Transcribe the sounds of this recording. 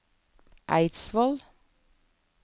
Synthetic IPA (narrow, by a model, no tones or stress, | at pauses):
ʔæ̰ɪt̪sʋɔl